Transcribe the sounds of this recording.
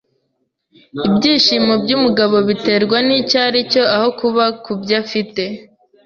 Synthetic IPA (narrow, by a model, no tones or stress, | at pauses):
ibɟiːʃiːmo̞bɟumuɡaβo̞βite̞ːɾɡwanicaɾico̞aho̞kuβakubɟafite̞